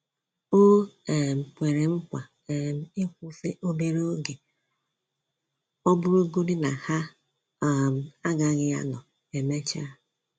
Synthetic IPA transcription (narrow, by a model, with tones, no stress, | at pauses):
o˦˨m̩˨kʷe˨ɾe˨ŋ͡m̩˦kʷa˨ | m̩˨ɪ˦kʷʊ˦fe˦ʔo˦me˦ɾo˦o˦ɡe˨ | ɔ˦bʊ˦ɾo˦ɡo˦di˦na˨ha˦˨ | a˦ɡa˨ɣɪ˦a̰˦nɔ˨ | e˨me˦t͡ʃa˦